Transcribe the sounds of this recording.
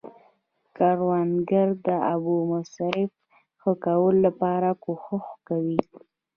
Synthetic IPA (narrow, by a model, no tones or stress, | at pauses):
kɑɾwanɡaɾd̪əabumʊsɾɪf | xəkawəlolapɑɾakoxʊxkawi